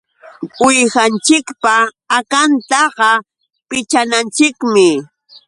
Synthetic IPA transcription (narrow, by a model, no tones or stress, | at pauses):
ʊjxant͡ʃɪkpaː | kant̪ɑɢɑ | pɪt͡ʃanant͡ʃɪkmɪ